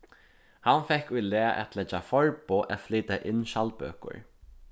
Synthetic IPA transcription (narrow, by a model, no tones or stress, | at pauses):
hanfɛkːʊjlɛːaʔɛ̰t̪ʰlɛt͡ʃːafɔɹpoʔɛ̰t̪fliːt̪aʔɪnːʃalpø̰ːkʊ̰ɹ